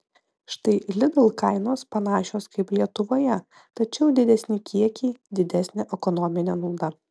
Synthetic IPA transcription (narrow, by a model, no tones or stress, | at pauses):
ʃt̪ɐɪlʲɪd̪ɐlˠkɐɪnoːspɐnɑːʃʲoːskɐɪplʲiɛt̪ʊʋoːjɛ | t̪ɐt͡ʃʲɛʊd̪ʲɪd̪ʲɛsʲnʲɪkʲiɛkʲiːd̪ʲɪd̪ʲæsʲnʲɛʔɛkɔnɔmʲɪnʲɛnuːd̪ɐ